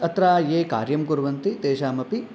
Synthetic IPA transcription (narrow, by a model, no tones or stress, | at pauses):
ɐt̪ɾaːjeːka̰ːɾjɐmkuɾʋɐnt̪it̪eːʃaːmɐpi